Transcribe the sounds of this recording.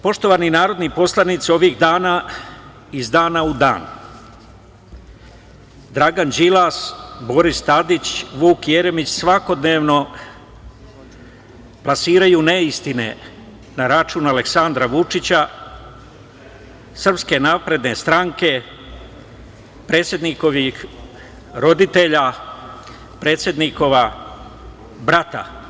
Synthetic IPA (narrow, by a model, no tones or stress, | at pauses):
po̞ʃt̪o̞ʋaːninaːɾo̞d̪nipo̞slˠanit̪sio̞ʋiːɣd̪aːna | izd̪aːnaud̪a̰ːn | d̪ɾaɡand͡ʑd͡ʒilasbo̞ɾist̪ad̪it͡ɕʋuːkjeɾemit͡ɕsʋako̞d̪ne̞ːʋno̞ | plasiːɾajuːneist̪ine̞̰ | naɾat͡ʃunale̞ksand̪ɾaʋut͡ʂit͡ɕa | sr̩pske̞naːpɾe̞d̪ne̞st̪ɾaŋke̞ | pɾe̞ːt̪sje̞d̪niko̞ʋix | ɾo̞d̪it̪e̞ʎa | pɾe̞ːt̪sje̞d̪niko̞ʋa | bɾat̪a̰